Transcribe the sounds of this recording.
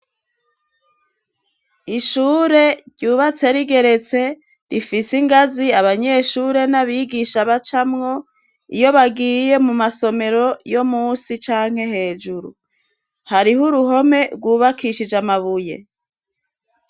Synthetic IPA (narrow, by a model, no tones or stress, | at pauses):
iʃuːɾe̞ɟuːβat͡se̞ɾiɡe̞ɾe̞t͡se̞ | ɾifisiŋɡaziaβaɲe̞ʃuɾe̞naβiːɡiʃaβat͡ʃamŋo̞ | ḭjo̞βaɡiːje̞mumaso̞me̞ɾo̞jo̞muːsit͡ʃaːŋ̥he̞he̞ːd͡ʒuɾṵ | haɾihuɾuɦo̞me̞ɾɡwuːβakʰiʃid͡ʒamaβuje̞̰